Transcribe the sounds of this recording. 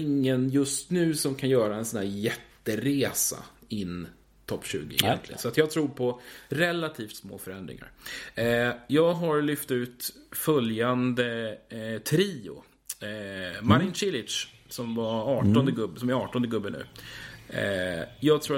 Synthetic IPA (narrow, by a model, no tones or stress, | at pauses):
ɪŋːənjɵst̪nʉ̟ːsɔmkʰanjœːɾaɛnsɔnhæːɾjɛt̪ːəɾeːsa̰ɪnː | t̪ʰɔpːɕʉ̟̰ːɡɪɪɛ̰nt̪lɪ̰ɡə̰nsɔat̪jɑːɡt̪ʰɾuːɾpʰɔɾɛlat̪ʰiːft̪smo̰ːfœɾɛnd̪ɾɪ̰ŋa̰ɾ | jɑːɡɦaɾlʏft̪ʉ̟ːt̪fœljand̪ə | t̪ʰɾiːʊ̰ | maɾɪnɕɪlɪʂ | sɔmvaɑːɔnd̪əɡɵbsɔmɛɑːʈɔnd̪əɡɵbːənʉ̟̰ː | jɑːɡt̪ʰɾuː